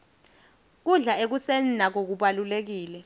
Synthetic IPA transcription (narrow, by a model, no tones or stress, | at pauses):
k̬uɮaek̬usɛnnak̬ok̬uɓalulek̬iːlɛ